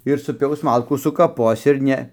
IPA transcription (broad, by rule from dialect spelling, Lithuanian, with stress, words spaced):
ɪr sʊˈpʲɛʊs ˈmɐlˠkuː sʊkɐˈpoːs ɪr ˈnʲɛ